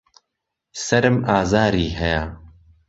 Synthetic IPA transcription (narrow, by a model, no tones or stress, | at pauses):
sɐɾɨmaːzaːɾiːɦɐjaː